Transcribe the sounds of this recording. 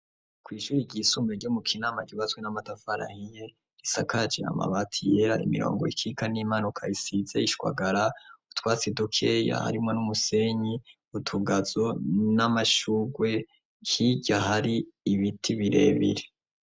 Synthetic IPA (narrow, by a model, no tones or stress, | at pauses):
kwiːʃuɾiɟiːsumeɾɟumukʰinaːmaɟiβazɡwenamatafaɾa̰hije | ɾisakad͡ʒḛa̰ma̰βatʰijeɾaʔḭmḭɾo̰ːŋɡo̞ikʰikanimanukʰaisizeiʃwa̰ɡaɾautkwaːt͡sidokʰe̞ja̰ha̰ɾimŋo̞numuse̞ɲi | utʰuɡazonamaʃuɡwe̞ | hiɟahaɾiːβitʰiβiɾe̞̰ːβḭɾe